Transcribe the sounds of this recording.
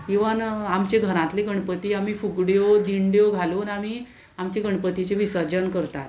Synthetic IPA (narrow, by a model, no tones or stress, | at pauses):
iʋanamt͡ɕeɡʱəɾãt̪leɡəɳpət̪iːam̤iːfuɡɽjod̪iɳɖjoɡʱaluːnam̤iː | amt͡ɕeɡəɳpət̪it͡ɕeʋisəd͡ʑənkəɾt̪a̰t̪